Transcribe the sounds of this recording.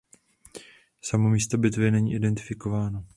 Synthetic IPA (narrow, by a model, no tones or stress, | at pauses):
samomiːst̪obɪt̪vɪnɛɲḭːʔɪdɛnt̪ɪ̥fɪko̞vaːno